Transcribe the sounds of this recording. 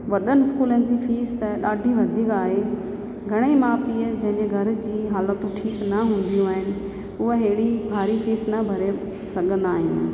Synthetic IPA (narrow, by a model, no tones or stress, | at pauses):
ʋɐɗənɪɪskuːlənɪ̆d͡ʑiːfeːst̪ɐɗaːɖʱĩʋɐd̪ʱiːkaːɦe | ɡʱɐɽ̃imãːpiːəd͡ʑɐ̃ɦɪ̃ɲd͡ʑeɡʱɐɾ̆d͡ʑiːɦaːlət̪ũʈʰiːknɐɦũːn̆d̪ijũaːɦɪnɪ̆ | ʊɦeɦeːɪɽibʱaːɾifiːsnɐbʱɐɾe | sɐɡʱə̃nd̪aːɦɪ̰̃